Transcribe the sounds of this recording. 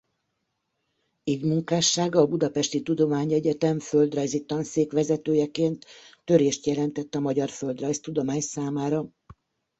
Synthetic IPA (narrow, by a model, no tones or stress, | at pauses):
iːvmuŋkaːʃːaːɡɒːbud̪ɒpɛʃt̪it̪ud̪o̞maːɲɛɟɛt̪ɛmfø̞ld̪rɒjzit̪ːɒnseːkʋɛzɛt̪øːjɛkeːnt̪ːø̞ɾeːʃt̪jɛlɛn̪t̪ɛt̪ːɒmɒɟɒrfø̞ld̪rɒjst̪ud̪o̞maːɲsaːmaːɾɒ